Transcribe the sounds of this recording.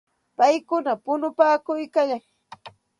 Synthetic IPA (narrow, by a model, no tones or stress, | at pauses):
pajkʊnapʊnʊpaːkʊjkaʎaŋ